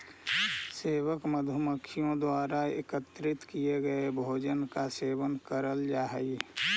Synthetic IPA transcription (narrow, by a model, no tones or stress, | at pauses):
seːwəkməd̪ʱəməkʰːijõd̪waːɾaḛkət̪ɾɪt̪kijeɡəebʱoːd͡ʒənkaseːwənkəɾəld͡ʒaːɦəi